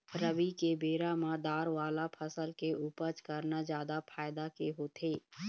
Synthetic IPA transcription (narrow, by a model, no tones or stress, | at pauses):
ɾəbikebeːɾamãd̪aːɾʋaːlapʰəsəlkeʔuːpəɾt͡ʃkəɾnad͡ʒjaːd̪apʰaːjd̪akeɦoːt̪eː